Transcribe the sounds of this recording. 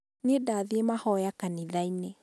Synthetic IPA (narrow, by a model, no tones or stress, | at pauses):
nedaːðiemahɔjakaniðaine